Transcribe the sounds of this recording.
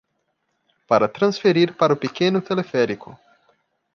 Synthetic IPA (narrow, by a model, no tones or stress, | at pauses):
paɾat̪ɾansfeɾirʲpaɾopikʲenut̪ʰelefeɾikʰu